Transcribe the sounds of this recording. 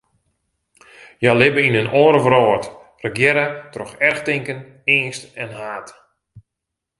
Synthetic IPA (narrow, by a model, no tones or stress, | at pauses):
jalɪbəinənʔɔːɾəvrɔːt | rəɡjɛɾətrɔxɛrxtɪŋkən | ɪənstɛnhaːt